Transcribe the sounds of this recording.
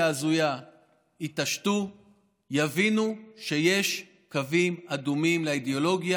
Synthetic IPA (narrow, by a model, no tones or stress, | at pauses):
aːzuja | itaʃtu | javinuʃe̞je̞ʃ | kavimadumimleid̪eolo̞ɡja